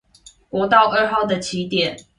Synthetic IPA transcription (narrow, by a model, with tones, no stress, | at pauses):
kwɔ˧˥t̪ɑ˥˨ʊʔə˥˧ɦɑ˥˩ʊd̪ə˨t͡ɕʰi˨˦t̪jɛ˨n